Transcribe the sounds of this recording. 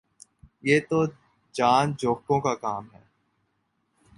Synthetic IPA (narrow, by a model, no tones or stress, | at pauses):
jeːt̪o | d͡ʒaːnd͡ʒoːkõkakaːmɦɛː